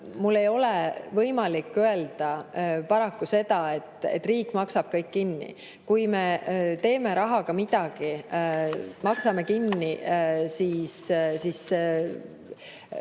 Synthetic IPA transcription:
mulːe̞jo̞levɤjmɑlikːˑøe̞ld̪̥ɑpɑɾɑkːuse̞d̪ɑet̪ːˑḛt̪ːˑriːkːˑmɑksɑb̥̚kɤjkːinːḭ | kujme̞t̪e̞ːme̞ɾɑɦɑkɑmid̪̥ɑɡ̥i | mɑksɑme̞kinːisiːssis

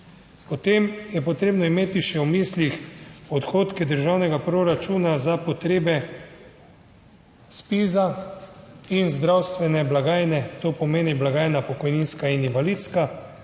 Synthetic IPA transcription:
pɔt̪eːmjɛpɔt̪ɾeːbnɔimeːt̪iʃɛwmiːslixɔt̪xoːt̪kɛd̪əɾʒawnɛɡapɾoɾat͡ʃuːnazapɔt̪ɾeːbɛ | spiːza | inzd̪ɾawst̪ʋɛnɛblaɡaːjnɛt̪oːpɔmeːniblaɡaːjnapɔkɔjninskaininvalit̪ska

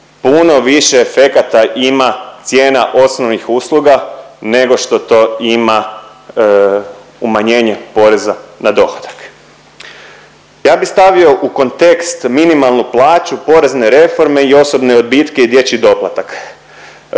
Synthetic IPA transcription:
puno̞ʋiʃeːfe̞kat̪aʔimat̪sje̞ːnaʔo̞snoʋnixuːslˠuɡane̞ɡo̞ʃt̪o̞t̪o̞ima | umaɲe̞ːɲepo̞ɾe̞zanad̪o̞xḁd̪ḁk | jaːbist̪aʋio̞ʔuko̞nt̪e̞kst̪minimalˠnuplˠaːt͡ʃupo̞ɾe̞zne̞ɾe̞fo̞ɾme̞io̞so̞bne̞od̪̚bit̪ke̞id̪je̞t͡ɕid̪o̞plˠat̪ak

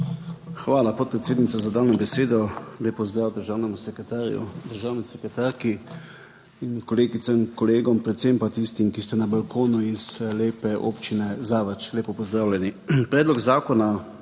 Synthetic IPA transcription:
xʋaːlapɔt̪̚pɾɛt̪seːd̪nit̪sazad̪aːwnɔbɛseːd̪ɔleːpɔzd̪ɾaːwd̪əɾʒaːwnɛmusɛkt̪aɾṵd̪əɾʒaːwnɛsɛkɛt̪aɾki | inkɔleːɡit̪samkɔleːɡɔmpɾɛt̪sempat̪ist̪imkist̪ɛnabalkoːnuizleːpɛʔo̰ːpt͡ʃinɛzaʋət͡ʃleːpɔpɔzd̪ɾaːwlʲɛnipɾɛːd̪lɔɡzaːkɔna

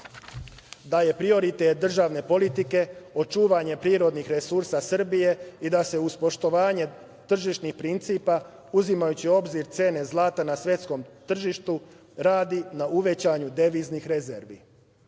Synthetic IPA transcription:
d̪aje̞pɾio̞ɾit̪et̪̚d̪r̩ʒaʋne̞po̞lit̪ike̞o̞t͡ʃuːʋaɲe̞pɾiːɾo̞d̪nixɾesuɾsasr̩bije̞id̪ase̞uspo̞ʃt̪o̞ʋaːɲe̞ | t̪r̩ʒiʃnixpɾint̪siːpa | uzimajut͡ɕio̞bziɾt̪se̞ːne̞zlaːt̪anasʋje̞t̪sko̞mt̪r̩ʒiʃt̪u | ɾaːd̪inauʋe̞t͡ɕaɲud̪e̞ʋiːznixɾe̞zḛɾʋḭ

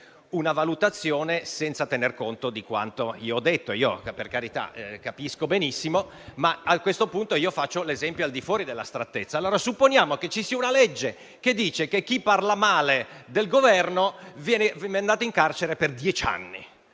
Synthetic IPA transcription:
unavalut̪at̪sːjoːnesɛnt̪sat̪enerkont̪od̪ikwa̰nt̪oioɔd̪ːet̪ːoiːo̰perkaɾit̪a̰kapiskobenisːimo | maakːwest̪opunt̪oiofat͡ʃːolezɛmpjoald̪ifwɔːɾid̪elːa̰st̪ɾat̪ːet̪sːaːlːoːɾasupːonjaːmoket͡ʃːisiːaunalɛd͡ʒːe | ked̪ːiːt͡ʃekek̟ːipːarlamaːled̪elɡovɛrnovjɛːnevɛneand̪aːt̪oiŋkart͡ʃeɾeperd̪jɛt͡ʃa̰nːḭ

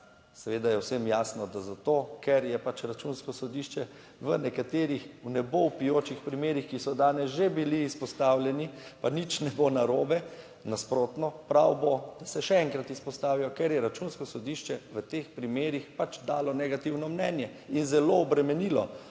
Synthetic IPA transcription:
sɛʋed̪ajɛwsemjaːsnɔd̪azat̪oːkɛɾjɛpat͡ʃɾat͡ʃunskɔsɔd̪iʃt͡ʃɛ | ʋənɛkat̪eːɾixwnɛbowpijoːt͡ʃixpɾimeːɾixkisɔd̪aːnɛsʒebiliːspɔst̪aːwlʲjɛnipanit͡ʃnɛbonaɾoːbɛ | naspɾot̪nɔpɾawbod̪̥asɛʃɛɛŋkɾat̪ispɔst̪aːʋijɔkɛɾjɛɾat͡ʃunskɔsɔd̪iʃt͡ʃɛʋət̪expɾimeːɾixpat͡ʃd̪aːlɔnɛɡat̪iwnɔmnɛːnjɛ | inzɛloːbɾɛmɛniːlɔ

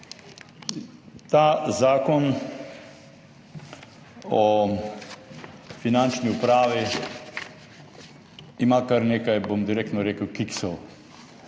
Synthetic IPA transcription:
t̪aːzaːkon | o | finant͡ʃniupɾaːʋi | imakaɾnekajbomd̪iɾek̚t̪noɾekəwkiksel

